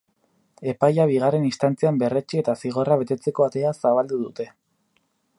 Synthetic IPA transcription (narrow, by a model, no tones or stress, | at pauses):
e̞pajaβ̞iɣare̞nist̪ant͡siambe̞ret͡ʃie̞t̪asiɣ̞o̞raβe̞t̪e̞t͡se̞ko̞at̪e̞asaβald̪uðut̪e̞